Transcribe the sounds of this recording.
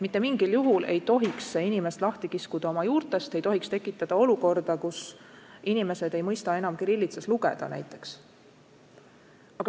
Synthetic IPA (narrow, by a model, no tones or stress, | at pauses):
mit̪ːˑe̞miŋɡ̥iljuɦulʔe̞̰jt̪o̞ɦiksinime̞st̪lɑht̪ikiskud̪̥ɑo̞mɑjuːɾt̪ˑe̞st̪e̞jt̪o̞ɦikst̪e̞kːˑit̪ːˑɑd̪̥ɑo̞luko̞rd̪̥ɑkusinime̞se̞d̪̥e̞jmɤjst̪ɑe̞nɑmkiɾilːit̪sesluɡe̞̰d̪̥ɑ̰næ̰jt̪ˑːe̞̥ks | ɑɡ̥ɑ